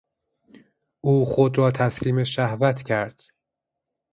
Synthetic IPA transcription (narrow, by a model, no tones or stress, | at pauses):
ʔuːxod̪ɾɒːt̪ʰæsliːmeʃæhvæt̪ʰcʰæɾd̪̥